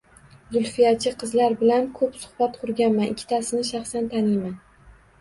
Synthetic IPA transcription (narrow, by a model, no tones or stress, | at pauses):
zʊlˠfijat͡ʃʰɪqʰɨzlaɾbɪlankʰɵpsʊ̥hbat̪qʰʊɾɡʲanmanʔɪkʲʰːɪ̥t̪ʰasɪnɪʃaχsant̪ʰanɪjman